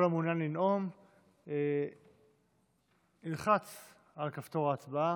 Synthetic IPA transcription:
lamunjanlinʔo̞m | e | ilχat͡s | alkaft̪o̞ʁaːt͡sbaa

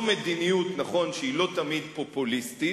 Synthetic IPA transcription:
med̪inijut̪naχo̞nʃeilo̞t̪amid̪po̞pulist̪i

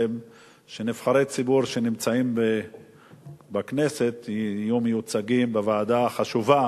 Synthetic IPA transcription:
m | ʃenifχaɾet͡sibuɾʃenimt͡saimbe | bakne̞se̞t̪iajumejut͡saɡimbevaːd̪aχaʃuva

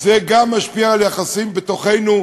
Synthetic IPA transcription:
zeɡamːaʃpiaːljaχasimbet̪o̞χe̞jnu

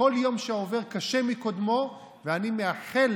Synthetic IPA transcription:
o̞ljo̞mʃeoveʁkaʃe̞mikod̪mo̞ | veanimeaχel

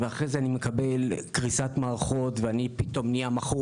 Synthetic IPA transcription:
veaχʁezeanime̞kabe̞lkʁisatmaːʁaχo̞tveanipit̪o̞mniamaχu

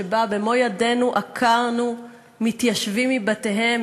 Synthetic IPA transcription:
ebabe̞mo̞jade̞nuʔakʰaʁnu | mit̪jaʃvimːibate̞ɦe̞m

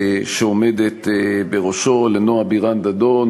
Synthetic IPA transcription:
ʃeomed̪et̪beʁoʃolenoabiʁand̪ad̪on

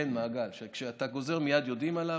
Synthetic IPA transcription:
enmaːɡalʃekʃeat̪aɡo̞ze̞ʁmijad̪jo̞d̪imala

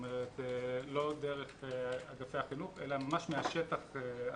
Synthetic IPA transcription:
meʁet̪lo̞d̪e̞ʁeχaɡafejhaχinuχelamamaʃmeaʃet̪aχe

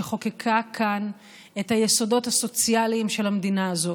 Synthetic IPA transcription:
eχo̞kekʰakʰan | e̞thajeso̞do̞thaso̞t͡sjalimʃe̞lhamdinaːzo̞

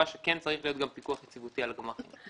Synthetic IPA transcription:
aʃekent͡saʁiχlijo̞t̪̚ɡampikuaχjet͡sivutialaɡamaχḭn

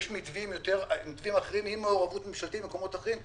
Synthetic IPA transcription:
ʃmit̪vimjot̪eʁmit̪vimaχeʁimhimːeoʁavutmimʃalt̪itbemkomo̞t̪aχeʁim

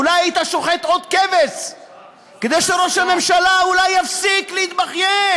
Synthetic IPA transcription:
ulajajit̪aʃo̞χet̪ʔod̪keves | ked̪ejʃeɾo̞ʃhame̞mʃalaulajːafsikleit̪baχje

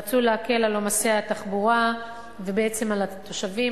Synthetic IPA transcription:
at͡suleake̞lalomaseat̪aχbuʁa | vebeet͡se̞malat̪o̞ʃavi

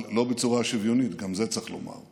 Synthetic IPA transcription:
lo̞bet͡suʁaʃivjo̞nit̪ɡamzet͡saχlo̰ma̰ʁ

